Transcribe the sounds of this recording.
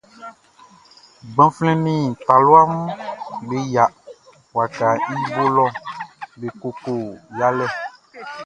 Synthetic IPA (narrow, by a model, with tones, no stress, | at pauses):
ɡ͡bã˦flɛ̃˦nĩ˦˨t̪a˨lo˦a˦mũ˦be˨ja˨ | wa˨ka˨ɲĩ˦bo˦lɔ˦be˨ko˨ko˨ja˦lɛ˦